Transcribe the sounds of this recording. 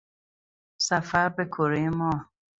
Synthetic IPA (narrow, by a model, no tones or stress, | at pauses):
safaɾbekʰoɾemɔː